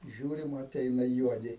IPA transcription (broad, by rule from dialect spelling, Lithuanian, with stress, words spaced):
ˈʒʲuːrʲɪm ɐˈtʲɛɪnɐ ˈjuɔdʲɪ